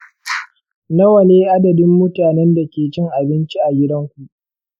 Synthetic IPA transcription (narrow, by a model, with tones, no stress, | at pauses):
nɐ˦wɐ˨leː˦ʔa˦dɐ˨dɪ˦mːʊ˦taː˨nɛ˦nda˨kʲeː˨t͡ʃɪ˦ŋʔa˨bɪ˦nt͡ʃi˦ʔa˨ɡʲɪ˦dɐ˦ŋkʷu˨ʔ